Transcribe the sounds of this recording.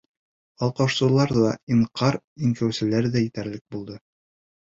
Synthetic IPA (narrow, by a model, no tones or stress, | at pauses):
ɑlˠqɑʃsɤ̆lˠɑɾðɑiɴqʰɑɾ | iŋkæwsɘ̆læɾðæjɘ̆t̪æɾlɘk̚bulˠd̪ɤ